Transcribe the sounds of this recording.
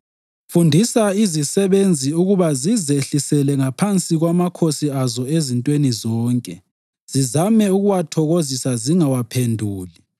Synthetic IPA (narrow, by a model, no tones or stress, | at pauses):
fundʱisaizisɛβend͡zʱiuɣuβazizeɬisɛlɛŋapʰant͡sʼiɣwamakʰosiazɔezintʼwenizɔːŋkʼɛ | z̥izamɛuɣuwatʰɔɣozisaziŋawapʰendʱuːli